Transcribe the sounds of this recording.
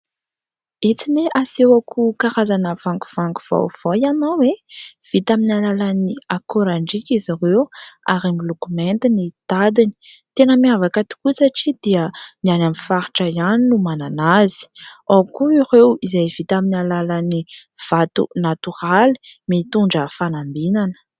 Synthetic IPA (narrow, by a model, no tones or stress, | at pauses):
et͡sineʔasewakʰukaɾazanəv̥aŋɡu̥v̥aŋɡuv̥a̰wv̥ajanowev̥it̪aminalalaniakoɾaɳɖ͡ʐikizaɾewaɾamilokumɛnt̪inid̪̥ad̪ini̥ | t̪enəmiavakat̪i̥kusaʈ͡ʂid̪̥iənianamifaɾi̥ʈ͡ʂajaninumananazi̥akuiɾewizajvit̪aminalalaniv̥at̪ṵnat̪uɾali̥mit̪uɳɖ͡ʐəfanambinanə̥